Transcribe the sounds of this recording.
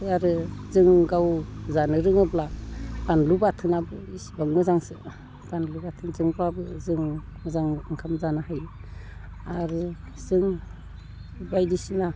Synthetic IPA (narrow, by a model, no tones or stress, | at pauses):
aɾɯzɯŋɡawzanɯɾɯŋɯblab̥anlubatʰɯnabɯisbaŋmɯzaŋsɯ̰ | b̥anlubatʰɯŋzɯŋbabɯzɯŋmɯzaŋɯŋkʰamzanahajl | aɾɯ | zɯŋ | bajdisina